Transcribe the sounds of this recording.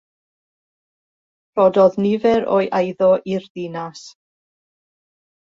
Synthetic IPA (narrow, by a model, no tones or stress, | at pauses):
rɔdɔðnɪvɛɾo̰ːjʔajðɔʔirðɪnas